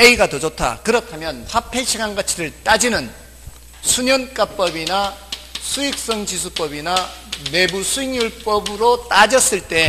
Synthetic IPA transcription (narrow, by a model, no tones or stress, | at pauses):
eiɡatʌd͡ʑotʰa̰kɯɾʌtʰamjʌnɸapʰe̞ɕʰiɡaŋɡat͡ɕʰiɾɯɭt͈ad͡ʑinɯn | sʰuɲʌnk͈ap͈ʌbinasʰuik̚s͈ʌŋd͡ʑis̬ʰup͈ʌbinane̞busʰuiŋjuɭp͈ʌbɯɾot͈ad͡ʑʌs͈ɯɭt͈e̞